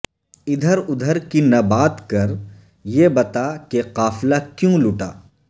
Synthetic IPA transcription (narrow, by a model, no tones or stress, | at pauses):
ɪd̪ʱəɾʊd̪ʱəɾkinɐbaːt̪kɐɾ | jebɐt̪akeqaːflakjũlʊʈaː